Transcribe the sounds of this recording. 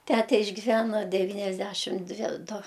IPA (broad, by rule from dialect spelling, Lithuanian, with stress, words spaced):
ˈtʲætʲɛ ɪʒʲɡʲɪˈʋʲænɐ dʲɛˈʋʲiːnʲɛzʲˌdʲæʃʲɪm ˈdʲʋʲɪ ˈdʊ